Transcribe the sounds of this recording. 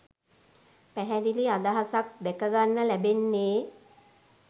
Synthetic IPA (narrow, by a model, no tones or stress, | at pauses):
pæɦɛd̪iliad̪aɦasak̚d̪ɛkəɡanːəlæbenːeː